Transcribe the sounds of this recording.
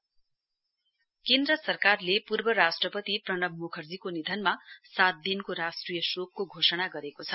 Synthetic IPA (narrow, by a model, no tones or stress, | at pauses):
kend̪ɾʌsʌrkarlepurbʌɾasʈrʌpʌt̪iprʌnʌbmokʰʌrd͡zikonid̪ʱʌnmasat̪̚d̪inkoɾasʈrijʌsok̚ːoɡʱosʌɽ̃aɡʌɾekot͡sʰʌ